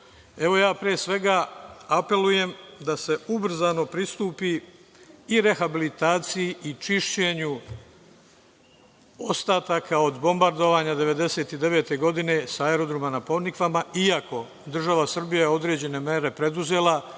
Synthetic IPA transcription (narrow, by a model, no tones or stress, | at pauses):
e̞ʋo̞jaːpɾiesʋe̞ɡaape̞luje̞md̪ase̞ubr̩zano̞pɾist̪uːpiː | ɾe̞xabilit̪aːt̪sijiʔit͡ʃiʃt͡ɕe̞ːɲu | ost̪aːt̪akʰao̞d̪bo̞mbaɾd̪o̞ʋaːɲad̪e̞ʋe̞d̪e̞se̞ːt̪id̪e̞ʋeːt̪e̞ɡo̞d̪ine̞saeɾo̞d̪ɾomanapo̞nikʋamaiako̞ | d̪r̩ʒaʋasr̩bijajeo̞d̪ɾe̞ːd͡ʑe̞ne̞meɾe̞pɾe̞d̪uze̞ːlˠa